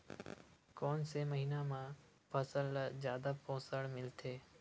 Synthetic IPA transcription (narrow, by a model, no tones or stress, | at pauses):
koːnseməɦiːnãːmãː | pʰəsəlzjaːd̪apõːsəɽmɪlt̪ʰeː